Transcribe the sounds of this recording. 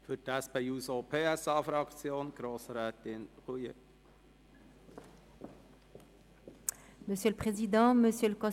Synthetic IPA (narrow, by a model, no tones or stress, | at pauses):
fydɛsbɛjuːzopʰeɛsɑːfɾɑksjoːnɡ̥ɾoːsɾɛːt̪ɪnʁujə̰ | məsjøləpχezid̪ɑ̃məsjøləkɔ̃